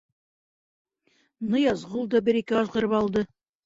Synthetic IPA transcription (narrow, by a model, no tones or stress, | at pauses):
nɤjɑzʁulˠd̪ɑbɘɾikɘɑzʁɤ̆ɾɤpɑlˠd̪ɤ